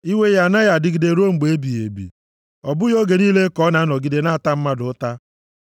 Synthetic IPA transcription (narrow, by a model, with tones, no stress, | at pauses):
i˦we˦ja˨na˦ja˨dɪ˦ɡi˨de˨ɾo˦ŋ͡m̩˨ɡ͡be˨e˦bi˨ḛ˨bḭ˨ | ɔ˨bʊ˦jo˦ɡe˨niː˦le˦kɔ˦na˨a˦nɔ˨ɡi˦de˨na˦a˨ta˦m̩˦ma˦dʊ˨˦ta˦